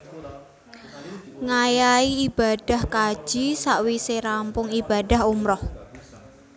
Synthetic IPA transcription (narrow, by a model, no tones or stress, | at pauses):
ŋajaiːb̥ad̥a̤hkḁʒ̥isaʔwiseɾampʊŋib̥ada̤humɾɔh